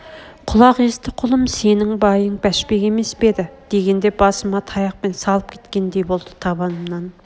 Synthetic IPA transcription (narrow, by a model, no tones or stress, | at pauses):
qʰʊlˠɑqest̪ɪqʰʊlˠəmse̞nɪŋbɑjəɴbæʃpe̞kʲe̞me̞sbe̞d̪ɪd̪̥e̞ɡʲe̞nd̪e̞bɑsəmɑt̪ʰɑjɑq̚pe̞nsɑlˠəp̚kʲʰe̞̥t̪kʲe̞nd̪ejbo̞lˠd̪ət̪ʰɑbɑnəmnɑn